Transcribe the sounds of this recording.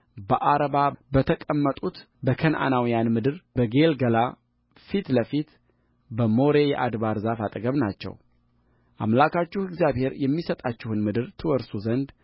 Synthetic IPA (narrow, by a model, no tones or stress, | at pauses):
bəʔaɾəβabət̪ʰəkʼəmːət̪ʼut̪ | bəkʰənʔa̰nawijanmɨd̪ɨɾbəɡe̞lɡəla | fit̪ləfit̪ | bəmo̞ɾe̞jɛ̰ʔad̪βaɾzafat̪ʼəɡəβnat͡ʃːɛ̰w | ʔa̰mlakat͡ʃːuhɪɡzjaβhe̞ɾjɛmːisət̪ʼat͡ʃːɪhɨnmɨd̪ɨɾt̪ʰɨwɔɾsuzənd̪